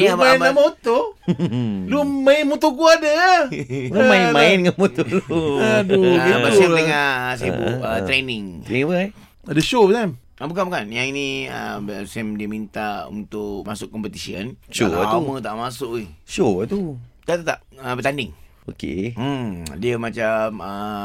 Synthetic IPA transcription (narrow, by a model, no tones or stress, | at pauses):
niabanbamot̪o | lumainmut̪oɡuadəaomaimãindəŋanmot̪oloadubasɛt̪əŋas̬ebṵət̪ɾenɪŋɾiŋbə | adəʃosɛm | abukanmakanjãŋiniə̰sɛmdiəmint̪aṵnt̪ʊʔmasʊʔkɔmpət̪isiənʃoumət̪aʔmasʊʔiʃot̪ut̪aʔt̪ət̪a̰p̚əbət̪andɪŋ | okḛ | diəmat͡ʃamə